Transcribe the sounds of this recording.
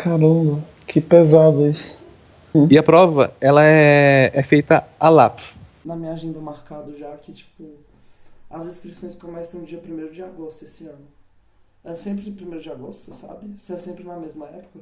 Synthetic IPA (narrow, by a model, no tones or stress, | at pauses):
kaɾɐ̃mbɐ | kʰɪpezad̪ɐisʊ̥ | ɪɐpɾɔvɐ̰ɛlɐɛɛfejt̪ɐalaps | nɐmĩɲaʒẽnd̪ɐmaɾkad̪ʊʒakɪt͡ʃi̥pʊ | ɐzeskɾisõj̃skõmɛsɐ̃w̃d͡ʒiɐpɾimejɾʊd͡ʒɪaɡost̪ʊesɪɐ̃nʊ | ɛsẽmpɾɪd͡ʒɪpɾimejɾʊd͡ʒaɡost̪ʊ̥sesa̰bɪseɛsẽmpɾɪnɐmezmɐɛpʊ̥kɐ